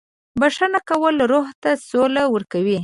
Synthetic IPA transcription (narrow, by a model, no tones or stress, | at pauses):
baʂanakawəlɾoɦt̪asolawəɾkawi